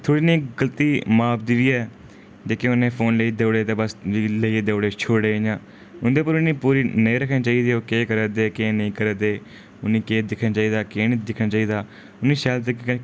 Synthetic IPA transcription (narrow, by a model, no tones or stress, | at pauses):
t̪ʰoːɽiːnĩːɡəlt̪iːmaːpd̪iʋiːɛː | d͡ʒeːkeʊnẽːpʰoːnləiːd̪eːʊɽeːt̪eːbəsiːleid̪eʊɽeːt͡ʃʰoːɽeːɲãː | ʊnd̪eːpəɾʊnĩːpuːɾiːnəĩːɾəkʰnĩːt͡ʃaːiːd̪iːoːkeːkəɾəd̪eːkeːnəĩːkəɾəːd̪eː | ʊnĩːkeːd̪ɪkʰnaːt͡ʃaːiːd̪aːkeːnĩːd̪ɪkʰɳaːt͡ʃaːiːd̪aː | ʊnːĩːʃaːlt̪̬ekː